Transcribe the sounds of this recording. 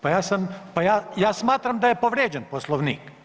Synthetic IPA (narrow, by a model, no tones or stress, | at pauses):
pajaːsampajaːjaːsmaːt̪ɾamd̪ajepoʋɾeːd͡ʒenposlˠoʋniːk